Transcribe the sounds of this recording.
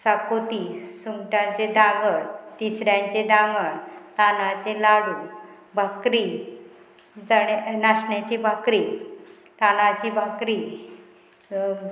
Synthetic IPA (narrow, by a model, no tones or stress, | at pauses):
sakot̪isumʈat͡ɕed̪ãŋɡəɽt̪isɾjãɲt͡ɕed̪ãŋɡəɳt̪anat͡ɕelaɽu | bʱakɾi | d͡zəɽnaɕɳjat͡ɕibʱakɾiː | t̪anãt͡ɕibʱakɾi